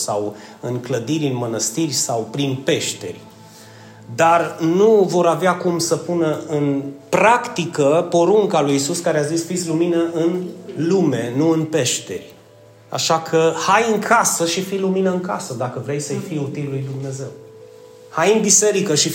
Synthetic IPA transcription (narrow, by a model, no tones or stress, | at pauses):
saw | ɨŋkləd̪iɾʲɨnmənəst̪irʲsawpɾinpe̞ʃt̪e̞̰rʲ | d̪arnuvo̞ɾaveakumsəpunəɨnpɾakt̪ikəpoɾuŋkalujisuskaɾeazisfit̪sʲluminəʔɨnlume̞nuɨnpe̞ʃt̪e̞̰rʲ | a̰ʃakʰəhajɨŋkʰasəʃifiluminəɨŋkasəd̪akəvɾejsəjfijut̪illujd̪umne̞ze̞w | hajɨnbise̞ɾikəʃi